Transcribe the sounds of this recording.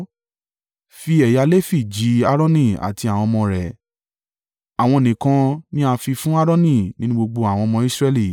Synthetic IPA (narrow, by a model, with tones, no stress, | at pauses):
fi˦ɛ˨ja˧le˦fi˦˨d͡ʒi˨˦a˦ɾɔ̃˦nĩ˦˨a̰˨ti˧a˨w̃ɔ̃˧mɔ̃˧ɾɛ˨ | a˨w̃ɔ̃˧o˨nĩ˨kã˧nĩ˦a˧fi˧fũ˦a˦ɾɔ̃˦nĩ˦˨nĩ˨˦nũ˦ɡ͡bo˧ɡ͡bo˧a˨w̃ɔ̃˧mɔ̃˧˦i˦sɾɛ˦˧li˦˨